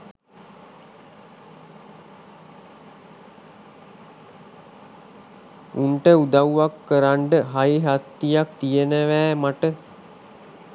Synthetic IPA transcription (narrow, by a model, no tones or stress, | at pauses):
uɳʈəud̪awːakːəɾaɳɖəɦajiɦat̪ːijakt̪ijənəʋæːmaʈə